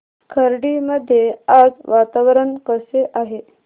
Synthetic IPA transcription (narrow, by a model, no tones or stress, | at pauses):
kʰəɾɖiməd̪ʱːjead͡zʋat̪aʋɾəɳkəseʔaɦe